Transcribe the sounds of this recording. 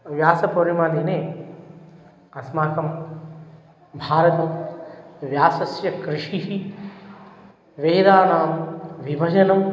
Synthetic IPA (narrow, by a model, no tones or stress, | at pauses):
ʋjaːsɐpoɾimaːd̪ineː | ɐsmaːkɐm | bʱaːɾɐt̪ɐm | ʋjaːsɐsjɐkɾɪʂiɦi | ʋeːd̪aːnaːmʋibʱɐd͡ʒɐnɐm